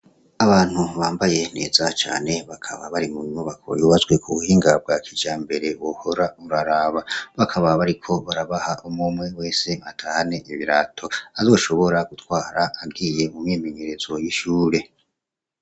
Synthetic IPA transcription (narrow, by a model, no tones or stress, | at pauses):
aβaːn̥huβaːmbaje̞ne̞̰ːzat͡ʃa̰ːne̞βakʰaβaβaɾimuɲuβako̰juːβazɡwe̞kʰuβuhiːŋɡab̚ɡakʰid͡ʒaːmbe̞ɾe̞wohoɾauɾaɾaːβaβakʰaβaβaɾikʰo̞βaɾaβahaʔumumŋe̞we̞ːse̞atʰahane̞ʔiβiɾatʰo̞azo̞ːʃo̞βo̞ɾaɡutwaːɾaːɡɡiːje̞mumje̞ːme̞ɲeɾezwojiʃuːɾe̞